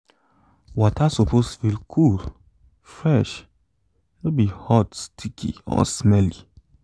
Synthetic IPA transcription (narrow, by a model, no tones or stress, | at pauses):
wɔtasopostufilkʰul | fɹɛʃ | nobihɔtstʰikʰḭɔ̰smɛli